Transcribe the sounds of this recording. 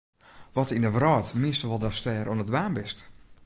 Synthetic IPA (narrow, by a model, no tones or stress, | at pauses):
ʋɔtinəʋrɔjtmiəstəʋɔlˠdɔstɛːɾʔuənədʋaːmbɪst